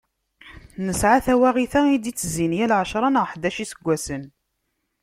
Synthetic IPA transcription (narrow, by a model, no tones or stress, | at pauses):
nəsʕaθæwæʁiθæid̪it͡sːzinjælʕʃɾˤɑnəʁħd̪æʃisəɡʷːæsən